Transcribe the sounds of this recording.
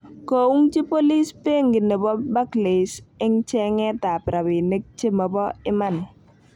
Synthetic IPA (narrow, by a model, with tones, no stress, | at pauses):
ko˨u˦ŋt͡ʃi˦po˦li˦spe˦ŋɡi˨ne˨bɔ˦ba˦kle˨sɪ˦ŋt͡ʃɛ˦ŋɛ˦ta˨pɾa˨bi˨ne˦k̚t͡ʃe˦mɔ˨bɔ˦ɪ˦ma˦n